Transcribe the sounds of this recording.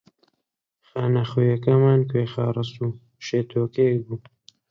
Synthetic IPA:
xaːnɐxojɐkɐmaːnkeːxaːɾɨsuː | ʃeːt̪ʰoːkekbuː

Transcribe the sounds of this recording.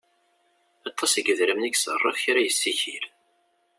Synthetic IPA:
ɑt̪ʰˤːɑsəɡəðɾəmnæçsərˤːə̰fçɾæjəsːiçil

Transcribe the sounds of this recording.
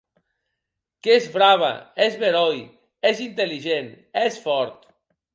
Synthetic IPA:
kezβɾaβa̰ezβeɾɔj | ezint̪eliʒen | ɛsfɔɾt̪

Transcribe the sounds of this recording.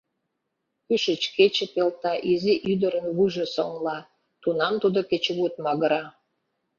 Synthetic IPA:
kyʃət͡ɕket͡ɕĕpelt̪ɑʔiziʔyd̪əɾənβujʒĕsoŋlɑ | t̪unɑmt̪ud̪oket͡ɕβut̪̚mɑɣə̆ɾɑ

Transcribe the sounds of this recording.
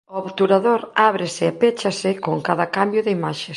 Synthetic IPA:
ʊaβt̪uɾaðoɾaβɾɪsɪapet͡ʃasɪkoŋkaðɐkambjʊðɪimaʃes

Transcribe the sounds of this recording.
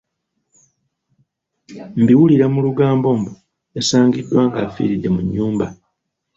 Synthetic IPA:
mbiwuliɾamuluɡaːmbo̞ːmbo | esaːŋɡidːwaːŋɡafḭːɾidːe̞muɲːuːmba

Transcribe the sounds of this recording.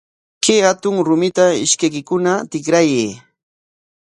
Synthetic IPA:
kehat̪ʊŋɾʊmɪt̪aɪ̰ʃkajkɪkʊnat̪ɪkɾajeː

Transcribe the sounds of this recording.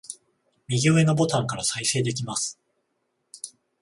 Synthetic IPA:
mʲiɡʲoːe̞nobo̞t̪ãŋkaɾasaise̞ːd̪e̞k̬ʲimasɨ̥

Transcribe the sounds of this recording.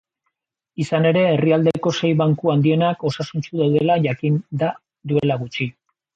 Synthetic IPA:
isane̞ɾe̞ːriald̪eko̞se̞jβaŋkuand̪ie̞nako̞sasunt͡suðawðe̞laʝakind̪a | d̪ue̞laɣut͡ʃi

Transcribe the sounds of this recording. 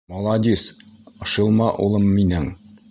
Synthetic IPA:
mɒlˠɑd̪isɤ̆ʃɤ̆lˠmɑʔulˠɤmːinɘŋ

